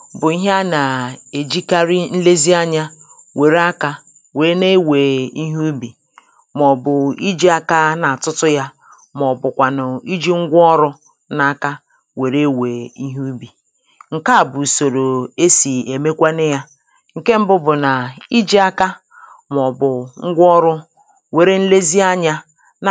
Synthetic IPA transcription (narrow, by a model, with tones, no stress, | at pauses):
bʊ˨i˦ɦa˦na˨e˨d͡ʒi˦ka˦ɾi˦n̩˦le˦zi˦a˦ɲa˦ | we˨ɾa˦ka˦ | we˨ɾe˦ne˦we˨i˦ɦu˦bi˨ | mɔ˨bʊ˨i˦d͡ʒi˦a˦ka˦na˨a˨tʊ˦tʊ˦ja˦ | mɔ˨bʊ˨kʷa˨nʊ˨i˦d͡ʒi˦ŋ̩˦ɡʷɔ˦ɾʊ˦ | na˦˨ka˦ | we˨ɾe˦we˨i˦ɦu˦bi˨ | ŋ̩˨ka˦˨bʊ˨so˨ɾo˨e˦si˨e˨me˦kʷa˦nɪ˦ja˦ | ŋ̩˨ke˦m̩˦bʊ˦bʊ˨na˨i˦d͡ʒi˦a˦ka˦ | m˨ɔ˨bʊ˨ŋ̩˦ɡʷɔ˦ɾʊ˦ | we˨ɾe˦n̩˦le˦zi˦a˦ɲa˦ | n˨